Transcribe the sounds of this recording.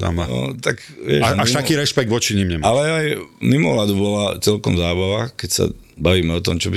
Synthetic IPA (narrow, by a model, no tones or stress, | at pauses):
d̪a̰manɔ̰t̪ak | ʋɪɛʒaʃit̪akiːɾɛʃpɛɡ̚d̪ʋɔt͡ʃiɲiːmɲɛmaalɛajmimɔ̰lad̪ubɔlat͡sɛlkɔmzaːbaʋakɛcsa̰ | baʋiːmɛɔt̪ɔmt͡ʃɔbi